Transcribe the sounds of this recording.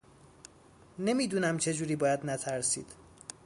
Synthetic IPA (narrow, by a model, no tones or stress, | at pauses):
ne̞miːd̪uːnæmt͡ʃʰe̞d͡ʒuːɾiːbɒːjæd̪næt̪ʰæɾsḭːd̪̥